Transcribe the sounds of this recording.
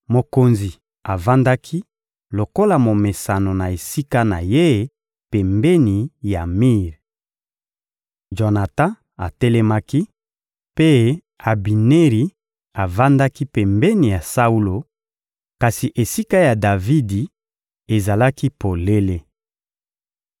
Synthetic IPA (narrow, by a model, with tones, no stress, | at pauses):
mo˨ko˨nzi˨ | a˨va˦nda˦kʰi˦ | lo˨ko˦la˨mo˨me˨sa˨no˨na˨e˨si˦ka˦na˨je˦ | pɛ˨mbɛ˦ni˨ja˨mi˦˨ʁ | ʒo˨na˨tã˦ | a˨tɛ˦lɛ˦ma˦ki˦ | pe˦ | a˨bi˨ne˦ʁi˨ | a˨va˦nda˦ki˦pɛ˨mbɛ˦ni˨ja˨sa˦u˦lo˨ | ka˨si˨ʔe˨si˦ka˦ja˨da˨vi˦di˨ | e˨za˨la˦ki˦po˨le˦le˦